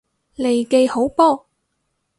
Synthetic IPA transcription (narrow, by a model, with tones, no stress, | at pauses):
le˨˩jke˧jho˨˥wpɔː˥